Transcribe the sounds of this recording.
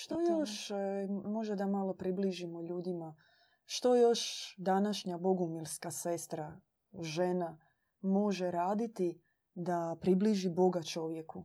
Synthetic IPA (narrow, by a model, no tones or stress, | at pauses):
ʃt̪o̞jo̞ʃ | mo̞ʒed̪amalo̞pɾibliʒimoʎuːd̪ima | ʃt̪o̞jo̞ʃd̪anaʃɲabo̞ɡumilskasest̪ɾa | ʒena | mo̞ʒeɾaːd̪it̪i | d̪apɾibliʒibo̞ɡat͡ʃo̞ʋjeku